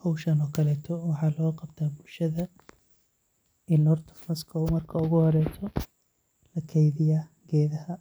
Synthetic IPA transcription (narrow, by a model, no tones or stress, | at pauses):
hɔwʃɐnɔːkʰɐlɛːt̪ʰɔwɑħɑːlɔːqɑbt̪ʰaːbʊlʃɐðɐ | ɪnɔrt̪ʰɐ̥fmɐskʰɔwmɐrkʰɐʊɣʊhɔɾɛːt̪ʰɔ | lɐkʰɛjðɪjaːɡɛːðɐhɐ